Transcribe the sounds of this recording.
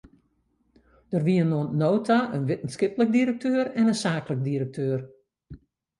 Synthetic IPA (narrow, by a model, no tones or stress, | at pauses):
d̥ərʋiənoənnoːwtʰaʔənʋɪtən̩skɪplək̚diɾək̚tʰøːəɾɛnənsaːklək̚diɾək̚tʰøːər